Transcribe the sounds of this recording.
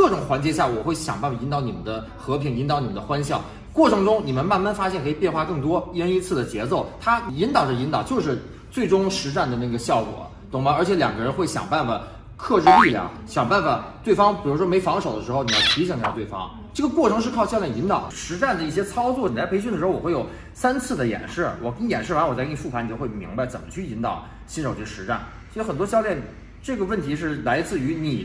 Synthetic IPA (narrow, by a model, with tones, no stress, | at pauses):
kɤ˥˩ʈ͡ʂʊ˨˩ŋxwa˧˥nt͡ɕjɛ˧˥ɕ̬ja˥˩wɔ˨˩xwe˥˩ɪɕjɑ˨˩ŋpa˥˩nfa˨˩i˧˥nt̪ɑ˧˥ʊni˨˩mə̰˦nd̪ə˧ | xɤ˧˥pʰi˧˥ŋi˧˥nt̪ɑ˧˥ʊni˨˩mə˦nd̪ə˧xwa˥nɕjɑ˥˩ʊ | kwɔ˥˩ʈ͡ʂʰɤ˧˥ŋʈ͡ʂʊ˥ŋni˨˩mə˦nma˥˧nma˥˧nfa˥ɕ̬jɛ˥˩nkʰi˨˩pjɛ˥˧nxwa˥˧kɤ˥˩ŋt̪wɔ˥i˥ə˥ni˧˥t͡sʰɹ̩˥˩d̪ə˩t͡ɕjɛ˧˥t͡so˥˩ʊt̪ʰa˥i˧˥nt̪ɑ˨˩ʊʈ͡ʂə˧˩i˧˥nt̪ɑ˨˩ʊt͡ɕjo˥˧ʊʂ̬ɻ̩˥˧ | t͡swe˥˩ɪʈ͡ʂʊ˥ŋʂɻ̩˧˥ʈ͡ʂa˥˩nd̪ə˩na˥˩ɡə˩ɕjɑ˥˩ʊkwɔ̰˨˩ | t̪ʊ˧˥ŋma˧˥ə˞˧˥t͡ɕʰɛ˧˥ljɑ˨˩ŋɡə˥ɻə˧˥nxwe˥˩ɪɕjɑ̰˨˩ŋpa˥˩nfa˨˩ | kʰɤ˥˧ʈ͡ʂɻ̩˥˧li˥˩ljɑ̰˨˩˦ | ɕjɑ˨˩ŋpa˥˩nfa˨˩t̪we˥˩ɪfɑ˥ŋpi˨˩ɻu˧˥ʂwɔ˥me˧˥ɪfɑ˧˥ŋʂo˨˩ʊd̪ə˦ʂɻ̩˧˥o˥˧ʊni˨˩jɑ˥˩t̪ʰi˧˥ɕi˨˩ŋi˥˧t̪we˥˩fɑ̰˥ŋ | ʈ͡ʂɤ˥˩ɡə˩kwɔ˥˩ʈ͡ʂʰɤ˧˥ŋʂ̬ɻ̩˥˧kʰɑ˥˧ɕɑ˥˧ʊljɛ˥˩ni˧˥nt̪ɑ˨˩ʊd̪ə˦ʂɻ̩˧˥ʈ͡ʂa˥˩nd̪ə˩i˥˩ɕjɛ˥t͡sʰɑ˥ʊt͡swɔ˥˩ni˨˩t͡sa˥˩pe˧˥ɪɕ̬y˥˩nə˩ʂɻ̩˧˥˧wɔ˨˩we˥˩jo˨˩ʊ | sa˥nt͡sʰɹ̩˥˩d̪ə˩jɛ̰˨˩nʂɻ̩˥˩wɔ˨˩kə˥njɛ̰˨˩nʂɻ̩˥˩wa˧˥nwɔ˨˩˥fu˥˩pʰa˧˥ni˨˩t͡ɕo˥˧we˥˩mḭ˧˥ŋba˧ɪt͡sə˨˩mə˦t͡ɕʰy˥˩i˧˥nt̪ɑ˨˩˦ʊ | ɕi˥nʂo˨ʊʈ͡ʂɤ˥˩ə˩ʂɻ̩˧˥ʈ͡ʂa˥˩n | swɔ˧˥˧xə˨˩nt̪wɔ˥ɕjɑ˥˧ʊljɛ˥˩n | ʈ͡ʂɤ˥˩ɡə˩wə˥˩nt̪ʰi˧˥ʂ̬ɻ̩˥˩la˧˥ɪt͡sɹ̩˥˩˧y˧˥ni˨˩